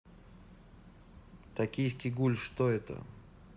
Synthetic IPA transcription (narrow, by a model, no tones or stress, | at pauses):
t̪ɐkʲijs̬ʲkʲiɡulʲʂt̪oɛt̪ə̰